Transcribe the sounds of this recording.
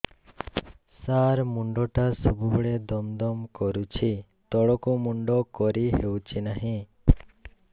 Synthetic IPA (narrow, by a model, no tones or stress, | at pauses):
saɾmuɳɖɔʈasɔbubɔɭed̪ɔmd̪ɔmkɔɾut͡ʃʰi | t̪ɔɽɔkumuɳɖɔkɔɾiɦewt͡ʃʰinaɦĩ